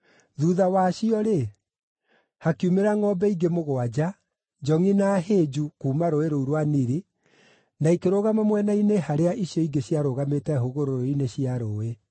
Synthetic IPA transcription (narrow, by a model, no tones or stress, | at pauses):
ðuðawaɕiɔɾe | hakiumeɾaŋɔbɛiɡemoɣoad͡ʑa | d͡ʒɔŋinaɦed͡ʑukuːmaɾoeɾouɾwaniɾe | naikeɾoɣamamwɛnainehaɾeaʔiɕjɔiɡeɕiaɾoɣametɛhoɣoɾoɾoineɕiaɾoːwe